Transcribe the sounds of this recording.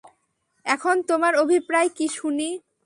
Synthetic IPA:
ɛkʰont̪omaɾobʱipɾaekiʃuni

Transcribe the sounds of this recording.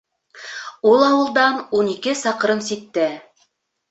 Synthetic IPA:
ulˠɑwɤ̆lˠd̪ɑnunikɘsɑqɤ̆ɾɤnsit̪ːɘ

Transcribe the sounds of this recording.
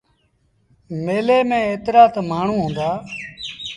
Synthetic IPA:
meːleːmẽːeːt̪ɾaːt̪ʰmaːɳ̤ũːɦõːnd̪aː

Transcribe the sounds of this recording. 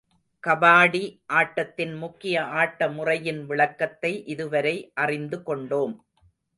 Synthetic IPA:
kɐbaːɽiʔaːʈːɐt̪ːɪnmʊkːɪjɐʔaːʈːɐmʊrɐjɪnʋɪɭɐkːɐt̪ːɐɪʔɪðɯʋɐɾɐɪʔɐrɪnd̪ɯkɔɳɖoːm

